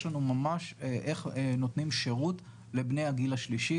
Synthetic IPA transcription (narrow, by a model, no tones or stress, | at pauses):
ʃlanumamaʃeʔeχnotnimʃe̞ʁut | le̞bnejaɡilaʃliʃi